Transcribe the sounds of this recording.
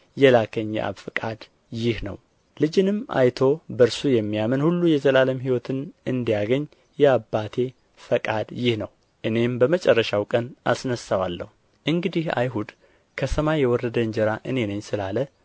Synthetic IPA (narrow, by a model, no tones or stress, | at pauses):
jɛlakʰəɲ̰ːʔa̰βfɨkʼad̪ | jɪhnə̰w | lɨd͡ʒɨnɨmʔa̰jt̪ʰo̞bəɾsujɛmːijamənhulːujɛzəlaləmhiwɔt̪ʰɨnɨnd̪ijaɡəɲː | jɛabːat̪ʰe̞ | fəkʼad̪jɪhnəw | ʔɨne̞mbəmət͡ʃʼɛrːəʃawkʼənʔa̰snəsːawalːə̰hu | ʔɨŋɡɨd̪iha̰jɦud̪ | kʰəsəmajːɛwɔrːəd̪əɨɲd͡ʒəɾaʔɨne̞nəɲsɨlalə